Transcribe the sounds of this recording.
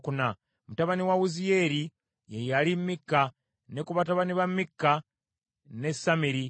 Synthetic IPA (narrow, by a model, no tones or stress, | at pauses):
kuna | mutaβaniwawuzijeɾi | jejalimːikːa | nekuβataβaniβamːikːa | ne̞samiɾi